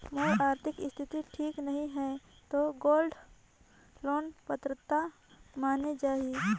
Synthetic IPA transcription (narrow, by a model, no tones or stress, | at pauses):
moːjaːɾt̪ʰɪkɪst̪ʰɪt̪iʈʰiːknɐɦĩɦɛ | t̪oɡoːlɖ | loːnpət̪ɾət̪a | maːned͡ʒaːi